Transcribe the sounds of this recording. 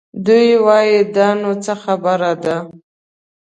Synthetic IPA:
d̪ujwɑjid̪ɑnot͡səxabaɾad̪a

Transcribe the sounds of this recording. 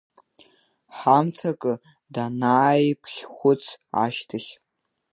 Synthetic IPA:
ħamt͡sʰakʼɨ | danaːjpʰχʲχʷʊt͡sʰa̰ʃtʰɨχʲ

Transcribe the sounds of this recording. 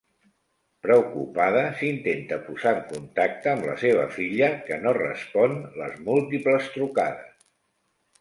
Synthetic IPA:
pɾəukupað̞əsint̪ent̪əpuzaəŋkunt̪ak̚t̪əːmlə̰seβ̞ə̰fiʎəkənorə̰spɔnlə̰zmulˠt̪ipləst̪ɾuka̰ðə̰s

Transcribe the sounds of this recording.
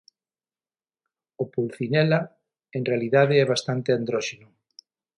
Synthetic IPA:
opulθinɛla | eŋrealiðaðeɛβast̪ant̪eand̪ɾɔʃenʊ

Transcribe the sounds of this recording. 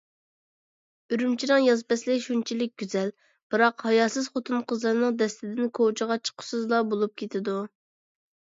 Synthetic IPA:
yɾymt͡ʃʰiɾɨŋjɑzpɛslɪʃunt͡ʃʰilɪk̚ʲɡʲyzɛl | b̥ɨɾɑqhɑjɑsɨz̥χot̪ʰɨnqʰəzlˠɨɾnɨŋd̪ɛst̪ɪd̪ɪnkʰot͡ʃʰəʁɑt͡ʃʰə̥qʰʊ̥sɨzlˠɑbolˠup̚kʲʰet̪ʰɪd̪u

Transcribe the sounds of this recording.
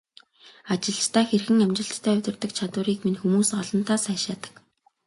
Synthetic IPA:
at͡ɕɪ̆ɮt͡ɕt̪ʰæːxerxɘ̆ŋæmt͡ɕɪ̆ɬt̪ʰtʰːæːɵt̪ʲɪ̆rt̪ə̆kt͡ɕʰat̪wʊːɾiːkminxumuːsɢɔɮə̆nt̪ʰaːsæːjʃaːt̪ə̥̆k

